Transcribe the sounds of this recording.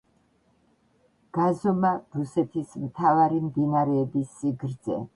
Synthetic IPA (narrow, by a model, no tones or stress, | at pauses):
ɡ̥azɔmaɾusɛt̪ʰismt̪ʰavaɾimd̪inaɾɛːbisːiɡɾd̪zɛ̰